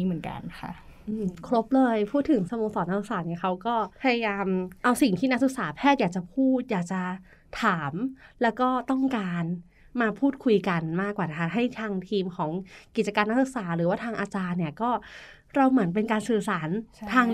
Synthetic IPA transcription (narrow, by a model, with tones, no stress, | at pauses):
i˥˩mɯ˩˦ənka̰˧nkʰa̰˥˩ʔɯː˧mkʰɾo˦˥p̚lɤː˧jpʰuː˥˩t̪ʰːɯ˩˦ŋsə˧moː˧ŋsɔː˨˦na˦˥su˧k̚saː˩˦t̪niː˧˥˩kʰa˦˥wkɔː˥˩pʰa˧ja˧jaː˧mʔa˧wsi˨˩ŋt̪ʰiː˥˩na˦˥k̚su˧˩k̚saː˩˦pʰɛː˥˩t̪̚jaː˨˩k̚t͡ɕa˨˩pʰuː˥˩t̪̚jaː˨˩k̚t͡ɕa˨˩ | t̪ʰaː˩˦mlɛː˦˥wkɔː˥˩t̪ɔ˥˩ŋkaː˧n | maː˧pʰuː˥˩t̪̚kʰu˧jka˧nmaː˥˩kwaː˨˩na˦˥kʰa˥ɦa˥˩jt̪ʰaː˧ŋt̪ʰiː˧mkʰɔː˩˦ŋki˨˩t͡ɕa˧kaː˧nːa˦˥k̚su˧˩k̚saː˩˦ɾɯː˩˦waː˥˩t̪ʰaː˧ŋʔaː˧t͡ɕaː˧nːi˥˩ɐkɔː˥˩ | ɾa˧wmɯ˨˩˦ənp̬e˧nkaː˧nsɯː˨˩saː˩˦nt̪ʰaː˧